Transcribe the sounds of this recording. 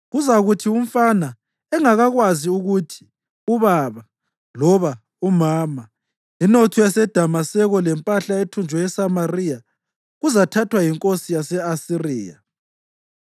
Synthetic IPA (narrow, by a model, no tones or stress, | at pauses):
ɣuzaɣutʰium̩fana | ɛŋaɣaɣwaziuɣutʰi̥ | uβaːβa | lɔβa | umaːma | inotʰɔjasɛd̥ʱamasɛɣɔlɛmpʼaɬaetʰund͡ʒʱwɛjɛsamarija | ɣuzatʰatʰwajiŋkʼosijasɛasiriːja̰